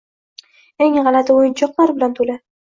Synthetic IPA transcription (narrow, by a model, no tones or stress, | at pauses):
eŋʁɑlat̪ɪojɪnt͡ʃʰɒqlˠaɾbɪlant̪ʰulɪ